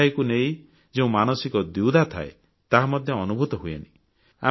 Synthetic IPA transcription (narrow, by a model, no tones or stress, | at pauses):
ajkuneĩ | d͡ʒeũmanɔsikɔd̪iwd̪ʱat̪ʰa̰ḛ | t̪aɦamɔd̪ʱjɔːnubʱut̪ɔɦuja̰ni | a̰